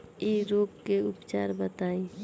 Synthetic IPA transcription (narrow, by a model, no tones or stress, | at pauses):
iɾoːpkeʊpt͡ʃaːɾbət̪aːĩ